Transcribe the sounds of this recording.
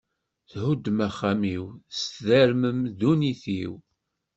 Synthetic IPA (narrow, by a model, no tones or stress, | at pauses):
θhud̪ːmæχːamiwst̪ðæɾməmðuniθiw